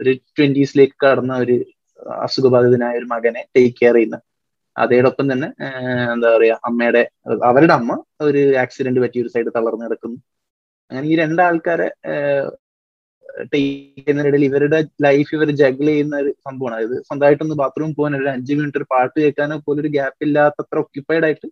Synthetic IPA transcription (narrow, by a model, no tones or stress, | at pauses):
o̞ɾutwenɖisle̞ːkːɨ̥kɐɽɐnːɐo̞ɾu | ɐ̰suɡɐbʱaːd̪ʱɐðinaːjɐo̞ɾumɐɣɐneʈejkːeɐrijunːɐ | ɐ̰ðeːɽo̞pːɐmt̪ɐnːe̞end̪aːɣɐrijaːʔɐmːejɽe̞ɐʋɐɾuɽeɐmːɐo̞ɾuaːksideɳɖɨpɐtːio̞ɾusɐjɖɨt̪ɐɭɐrnɨkɐɽɐkːunːu | ɐŋːɐneiːɾe̞ɳɖaːɭkaːɾḛ | ʈejkːnːɐjɽeliʋɐɾuɽelɐjfiʋɐɾɨd͡ʑɐɡɐɭejunːɐɐɾusɐmbʱɐʋɐɳɐðɐðɨsɐnd̪aːjiʈːenːɨbaːt̪rɐʋumpo̞ːɣaːnoɾuɾɐɲd͡ʑiʋmeʈːoɾupaːʈːɨkeːkːaːnopoːlo̞ɾuɡaːpːilːaːt̪ːɐt̪rɐokjupːaːjiɽaːjiʈːɨ